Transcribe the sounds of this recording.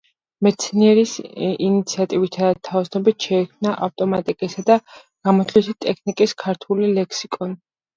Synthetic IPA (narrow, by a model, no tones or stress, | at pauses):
mɛt̪sʰniɛɾisinit̪sʰiat̪ʼivit̪ʰat̪ʰavsnɔbit̪ʃɛikʰmnaʔaft̪ʼɔmat̪ʼikʼisad̪a | ɡ̥amɔt̪ʰlisit̪ʼɛkʰnikʼiskʰaɾt̪ʰulilɛkʰsikʼɔni